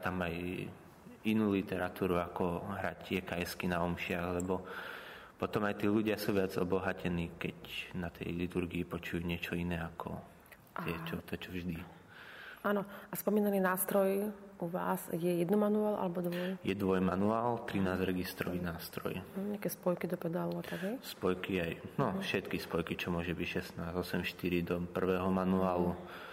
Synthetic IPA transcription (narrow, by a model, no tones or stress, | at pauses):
t̪amaj | inuːlit̪ɛɾat̪uːɾuakɔɦɾacɪɛkajskinaɔmʃɪaɣlɛbɔ | pɔt̪ɔmajt̪iːluɟɪasuːʋɪad͡zɔbɔɦacʰɛniːkɛcnat̪ʰɛ̰jlit̪uɾɡiːpɔt͡ʃujuɲɪɛt͡ʃɔinɛakʰɔ̰ | t̪ɪɛt͡ʃɔt̪ɔt͡ʃɔvʒd̪i | aːnɔaspɔmiːnaniːnaːst̪ɾɔjuʋa̰ːzjɛjɛd̪nɔmanuaːlʔa̰lɛbɔd̪ʋɔjjɛd̪ʋɔjmanuaːlt̪ɾinaːzɾɛɡist̪ɾɔʋinaːst̪ɾɔ̰jɲɪakɛːspɔjkid̪ɔpɛd̪aluat̪aɡɦɛjspɔjkiajnɔfʃɛt̪kispɔjkit͡ʃɔmʊɔʒɛbicʃɛsnaːzɔsɛmʃt̪iɾid̪ɔpr̩ʋɛːɦɔmanuaːlu